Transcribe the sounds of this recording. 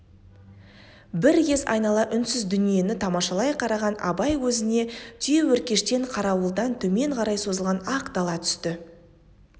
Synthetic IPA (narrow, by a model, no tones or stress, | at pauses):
bɪɾɡʲe̞zɑ̰jnɑlˠɑʔʏnsɪzd̪ʏnije̞nɪt̪ʰɑmɑʃɑlˠɑjqʰɑɾɑʁɑnɑ̰bɑjwɵzɪne̞t̪ʰʏje̞wɵɾkʲe̞ʃt̪e̞ɴqʰɑɾɑwəlˠd̪ɑnt̪ʰɵme̞ɴqʰɑɾɑjsozəlˠʁɑnɑqd̪ɑlˠɑt̪ʰʏ̥st̪ɪ